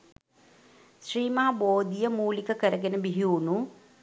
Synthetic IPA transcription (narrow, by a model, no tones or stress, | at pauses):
ʃriːmɐɦɐboːd̪ijəmuːlikəkəɾəɡenəbiɦiunu